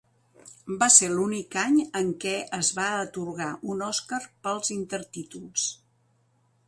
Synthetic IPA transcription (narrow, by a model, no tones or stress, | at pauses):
baselunikaɲəŋkɛʔəzβaət̪uɾɣaʔunɔskarpəlˠzint̪əɾt̪it̪ulˠs